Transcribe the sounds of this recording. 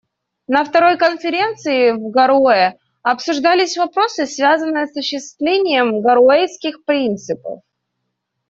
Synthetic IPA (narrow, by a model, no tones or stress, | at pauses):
nəft̪ɐɾo̞jkənfʲɪɾʲent̪sɨɪvɡɐɾoɪ | ɐpsʊʐd̪alʲɪsʲvɐpɾo̞sɨsvʲazənːɨjəsʊɕːɪst̪vlʲenʲɪjəmɡɐɾoeskʲɪxpɾʲint̪sɨpə̰f